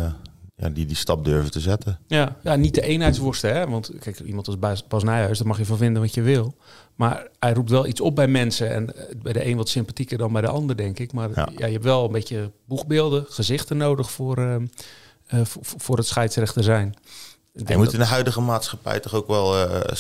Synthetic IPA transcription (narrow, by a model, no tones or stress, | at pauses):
ja̰didistɑp̚døɹvətəzɛtəjajanit̚dəʔejnɦɛjtsʋʊrstəɦɛʋɑntkɛjkimɑ̃ntɪspɑsnɛjœsdɔmɑxjəfɔnfɪndənʋɔtjəʋɪlˠ | ma̰rɛjrup̚tʋɛlˠʔitt͡sɔp̚bɛjmɛnsəɛ̰nbɛjdəʔeːnʋɔtsɪmpatikərdɔnbɛjdə̰ʔɑndərdɛŋkɪkmar̰ja̰jəɛptʋɛlˠənbetjəbukbɪːlˠdəχəzɪxtənowdəxfʊr | fʊːrətsxɛjtsrɛxtəzɛjn | ɪdɛmuɪndəɦœɥdəɣəmaːtsxapɛ̰jtɔχowkʋɛlˠ